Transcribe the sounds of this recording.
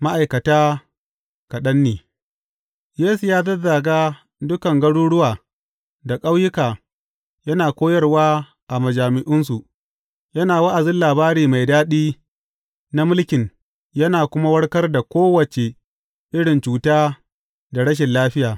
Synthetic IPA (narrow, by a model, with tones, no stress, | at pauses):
ma˦ʔa˨jkɐ˨taː˦ | kɐ˨ɗɐ˦nːeː˨ | jeː˦su˨jaː˦dɐ˦za˨ɡaː˦ | dʊ˦kɐ˨ŋɡɐ˦ɽuː˦ɽʊ˦waː˨ | da˨kʼa˦wjɪ˦kaː˨ | jɐ˦naː˨kʷoː˦jɐ˦rwaː˦ | ʔa˨mɐ˨d͡ʒaː˨mɪ˨ʔɪ˦ns̬u˨ʔ | jɐ˦naː˨wɐ˦ʔa˨zɪ˦nlaː˨baː˦ɾiː˨ma˨jdaː˦ɗiː˦ | na˦mʊ˦lkʲɪ˨n | jɐ˦naː˨kʷʊ˦ma˦wɐ˦ɽkɐ˦rda˨kʷoː˦wɐ˨t͡ʃe˨ | ʔɪ˦ɽɪ˨nt͡ʃuː˨taː˦ | da˨ɽɐ˦ʃ̬ɛ˨nlaː˦ɸɪ˦jaː˨